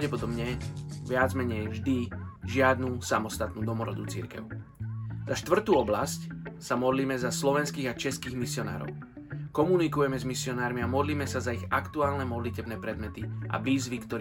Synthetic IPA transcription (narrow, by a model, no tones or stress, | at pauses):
aʊɟɛpɔd̪ɔbɲɛʋɪad͡zmɛɲɛjʒd̪iʒɪad̪nusamɔst̪at̪nuːd̪ɔmɔɾɔ̰d̪ut͡sḭɾkɛ̰ʊ | z̥aʃt̪ʋr̩t̪uːɔblascsamɔd̪liːmɛzaslɔʋɛnskiːɣat͡ʃɛskiːɣmisɪɔna̰ːɾɔ̰ʊ | kɔmunikujɛmɛzmisɪɔnaːɾmiamɔd̪liːmɛsazaiɣakt̪uaːlnɛmɔd̪licɛbnɛːpɾɛd̪mɛt̪iʔa̰ʋiːzʋikt̪ɔɾ